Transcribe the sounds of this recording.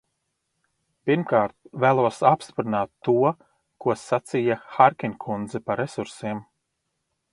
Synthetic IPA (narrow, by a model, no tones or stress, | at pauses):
piɾmkaːɾt̪̚væːlˠuɔsapst̪pɾinaːt̪ːuɔ | kuɔsat̪sijaxaɾkʲinʲkʰund̪zɛpaɾesuɾsiːm